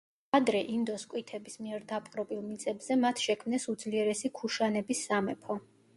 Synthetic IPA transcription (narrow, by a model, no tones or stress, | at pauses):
ad̪ɾɛʔind̪ɔskʼwit̪ʰɛbismiɛɾd̪apʼqʼɾɔbilˠmit̪sʼɛbz̥ɛmat̪ʰʃɛkʰmnɛsud̪zliɛɾɛsikʰuʃanɛbisːamɛpʰɔ